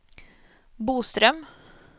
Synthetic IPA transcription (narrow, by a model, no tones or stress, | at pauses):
buːst̪ɾœm